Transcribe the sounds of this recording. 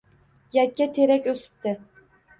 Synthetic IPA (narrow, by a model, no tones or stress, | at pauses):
jɛt̪̚kʲːɛt̪ʰeɾɛkʲøsɪ̥p̚t̪ʰɪ